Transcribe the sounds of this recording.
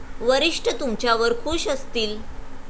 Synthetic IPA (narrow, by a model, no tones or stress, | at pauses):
ʋəɾiʂʈət̪umt͡ɕjaʋəɾkʰuːɕəst̪iːl